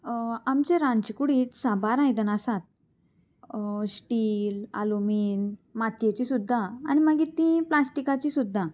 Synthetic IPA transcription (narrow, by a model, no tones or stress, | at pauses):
amt͡ɕeɾãnt͡ɕikuɽiːt̪sabaɾãjd̪ənasat̪̚ | sʈiːla̰lumiːnmat̪jet͡ɕisud̪ʱːa̰ːñiməɡit̪ːĩplasʈikat͡ɕisud̪ʱːa